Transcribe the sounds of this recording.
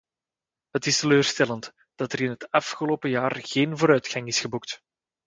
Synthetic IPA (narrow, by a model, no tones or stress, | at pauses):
ɦətɪstəløːrstɛlənt | d̥ɑtəɾɪnɦətɑfxəloːpəjaːrɣeːnvoːɾœɥtxɑŋɪsxəbukt